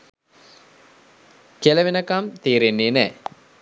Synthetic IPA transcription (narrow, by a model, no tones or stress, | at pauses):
kelɐʋenɐkamt̪iːɾenːeːnɛː